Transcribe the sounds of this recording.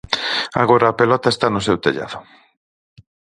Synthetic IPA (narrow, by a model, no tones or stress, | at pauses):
a̰ɣoɾaːpelɔt̪aest̪anʊsewt̪eʎa̰ðʊ